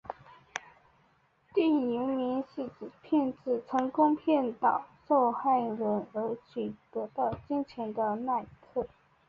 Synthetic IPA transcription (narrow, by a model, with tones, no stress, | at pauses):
t̪i˥˩ŋi˧˥ŋmi˧˥nɕi˥˩˨pʰjɛ˥˧nt͡sɹ̩˥˩t͡sʰɤ˧˥ŋkʊ˥ŋpʰjɛ˥˩nt̪ɑ˨˩ʊʂo˥˧ʊxa˥˩ɪɻə˧˥nə˞˧˥t͡ɕʰy˨˩t̪ɤ˧˥t̪ɑ˥˩ʊt͡ɕi˥nt͡ɕʰjɛ˧˥nd̪ə˧na˥˧ɪt̪ʰɤ˥˩